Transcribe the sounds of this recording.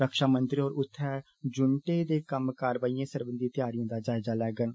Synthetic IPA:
ɾəkʃaːmənt̪ɾiːɔːɾʊt̪ʰːɛː | d͡ʒʊɳʈeːd̪eːkəmkaːɾʋaːiːãːsəɾbənd̪iːt̪ɪjaːɾijãːd̪aːd͡ʒaːɪzaːlɛːɡən

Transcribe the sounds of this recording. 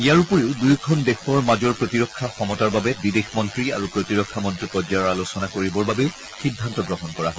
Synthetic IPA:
ijaɹupɔɹeʊdujkʰɔndexɔɹmad͡ʒɔɹpɹotiɹɔkʰːaxɔmɔtaɹbabɛbidexmɔntɹiaɹupɹotiɹɔkʰːamɔntɹipɔd͡ʒaɹɔɹalosɔnakoɹibɔɹbabeʊ | xidʱːantɔɡɹɔɦɔnkɔɹaɦɔ

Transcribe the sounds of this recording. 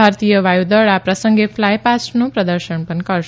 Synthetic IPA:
aɾt̪ijəʋajud̪əɭapɾəsə̃ŋɡefʰlajpasʈnũpɾəd̪əɾʃəɳpənkəɾʃ

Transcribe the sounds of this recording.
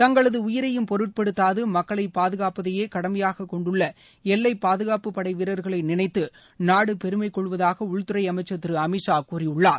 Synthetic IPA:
t̪ɐŋɡɐɭɐðɯʊjɪɾɐjɯmpɔɾɯʈ̚pɛɽɯt̪ːaːðɯmɐkːɐɭɐɪpaːðɯɣaːpɐðɐjeːkɐɽɐmɐjaːɣɐkːɔɳɖɯɭːɐ | ɛlːɐɪpːaːðɯɣaːpɯpːɐɽɐɪʋɪɾɐɾɣɐɭɐɪnɪnɐɪt̪ːɯ | naːɽɯpɛɾɯmɐɪkːɔɭːɯʋɐðaːɣɐʊɭt̪ːɯɾɐɪɐmɐɪt͡ʃːɐt̪ːɪɾɯɐmɪʂaːkuːrɪʊɭːaːɾ

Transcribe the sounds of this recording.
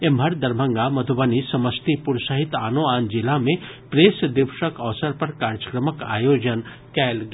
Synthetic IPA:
emʱəɾd̪ɐɾbʱə̃ŋɡamɐd̪ʱubənisɐməst̪ipʊɾsəɦɪt̪aːnoaːnd͡ʒɪlamẽ | pɾeːsd̪ɪʋʃəkəʋsəɾpɐɾkaːɾd͡ʒə̥kɾəməka̰ːjoːd͡ʒən | kɛːlɡ

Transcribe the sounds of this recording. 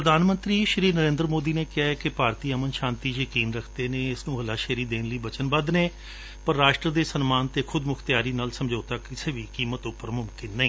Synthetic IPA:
pɾəd̪aːnmə̃nt̪ɾiːʃɾiːnəɾẽːnd̪ɾmoːd̪iːneːkɪjaːɛːkɪpaːɾt̪iːəmənʃãːnt̪iːjəkiːnɾəkʰd̪eːnẽːɪsnũːɦəlaːʃeːɾiːd̪eːnləiːbət͡ʃənbəd̪neː | pəɾːaːʃʈɾəd̪eːsənmaːnt̪eːkʰʊd̪mʊkʰt̪jaːɾiːnaːlsəmd͡ʒoːt̪aːkɪseːʋiːkiːmət̪ʊpːəɾmʊmkɪnːəĩː

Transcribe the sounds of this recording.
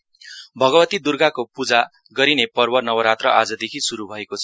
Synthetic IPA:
bʱʌɡʌbʌt̪id̪urɡakopud͡za | ɡʌɾinepʌrbʌnʌwʌɾat̪rʌʔad͡zʌd̪ekʰisuɾubʱʌekot͡sʰʌ

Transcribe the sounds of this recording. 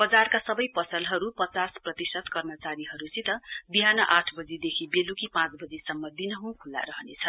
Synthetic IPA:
b̥ʌd͡zarkasʌbʌjpʌsʌlɦʌɾupʌt͡sasprʌt̪isʌt̪kʌrmʌt͡saɾiɦʌɾut͡sit̪ʌbiɦanʌʔaʈʰbʌd͡zid̪ekʰibelukipãt͡sbʌd͡zisʌmːʌd̪inʌɦũkʰulːa̰ɾʌɦʌnḛt͡sʰʌ

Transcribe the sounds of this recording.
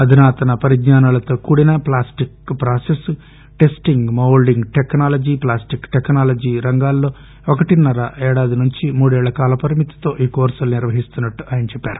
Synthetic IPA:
ɐd̪ʱinaːt̪ɐnɐpɐɾid̪ɲaːnalɐt̪o̞ːkuːɽinɐplaːsʈikpɾaːses | ʈesʈiŋɡmɐwlɖiŋɡʈeknaːlɐd͡ʒiplaːsʈikʈeknaːlɐd͡ʒiːɾɐŋɡaːlːo̞ː | ɔkɐʈinɐɾɐʔɛːɽaːd̪inuɲt͡ʃimuːɽɛːɭːɐkaːlɐpɐɾimit̪i̥t̪o̞ːʔiːkoːɾsɐlniɾʋɐɦist̪unːɐʈːuɐːjɐnɐt͡ʃɛpːaːɾu

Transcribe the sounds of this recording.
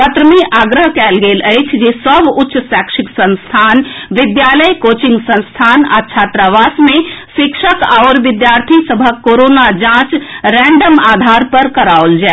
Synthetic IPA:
pət̪ɾəmẽʔaːɡɾəɦkɛːlɡeːləɪt͡ʃʰd͡ʒesəbʊtːʃsaːkʃɪksə̃nst̪ʰaːnʋɪd̪jaːləjkoːt͡ʃɪ̃ŋɡsə̃nst̪ʰaːna̰ːt͡ʃʰaːt̪ɾaʋaːsmẽʃɪkʃəkaːɾʋɪd̪jaːɾt̪ʰisəbʱəkoːɾoːnad͡ʒãːt͡ʃɾɛ̃ːɳɖəmaːd̪ʱaːɾpəɾkəɾaːold͡ʒaː

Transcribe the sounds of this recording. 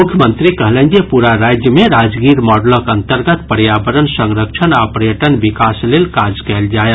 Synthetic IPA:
mukʰjəmənt̪ɾikəɦlɛnkepuɾaɾad͡ʒjəmeɾad͡ʒɡiɾmɔɖləkənt̪əɾɡət̪pəɾjabəɾənsəŋɾək̚t͡ʃʰənapɾəjəʈənbikaslelkad͡ʒkɛld͡ʒaje

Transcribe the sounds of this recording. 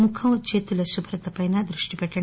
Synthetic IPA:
mukʰɐmt͡ʃeːt̪ulɐsubʱɾɐt̪ɐpɐjnad̪ɾuʂʈipɛʈːɐ

